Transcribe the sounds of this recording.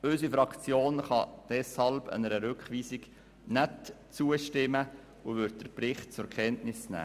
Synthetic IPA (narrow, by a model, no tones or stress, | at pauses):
ɵsifɾɑkt͡sjoːnχɑ̰d̥ɛshɑlbə̰nəɾəɾʉkχʋiːsiɡ | næt | t͡suəʃtɪmə | uʋʏɾt̚d̥əɾpɾɪχt̚t͡sʊɾkʰɛntnɪsnæ̰ː